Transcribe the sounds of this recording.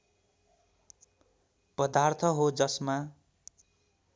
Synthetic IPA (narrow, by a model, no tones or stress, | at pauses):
pʌd̪art̪ʰʌɦod͡zʌsma